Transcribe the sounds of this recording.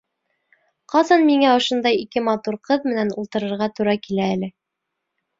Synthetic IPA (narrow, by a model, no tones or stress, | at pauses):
qɑsɑnmiŋæŏʃond̪ɑjikɘmɑt̪uɾqɤðmɘ̆nænṵlˠt̪ɤ̆ɾɤ̆ɾʁɑt̪uɾɑkilæːlɘ